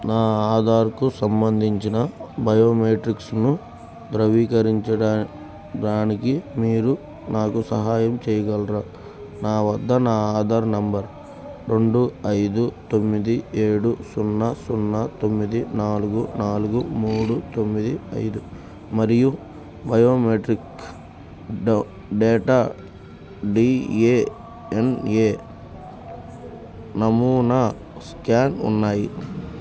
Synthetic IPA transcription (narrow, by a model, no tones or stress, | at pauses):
naːaːd̪aːɾkusɐmbɐnd̪ʱiɲt͡ʃinɐbɐjo̞ːmeːʈɾiksnu | d̪ɾɐʋiːkɐɾiɲt͡ʃɐɽaː | ɖaːnikimiːɾu | naːkusɐɦaːjɐmt͡ʃɛːjɐɡɐlɾaː | naːʋɐd̪ʱːɐnaːaːd̪aːɾnɐmbɐɾ | ɾe̞ɳɖuɐjd̪ut̪o̞mːid̪ieːɽusunːɐsunːɐt̪o̞mːid̪inaːluɡunaːluɡumuːɽut̪o̞mːid̪iɐ̰jd̪u | mɐɾiju | bʱɐjoːmeʈɾik | ɖeːʈaː | ɖiːeː | eneː | nɐmuːnɐ | skaːnṵnːaːji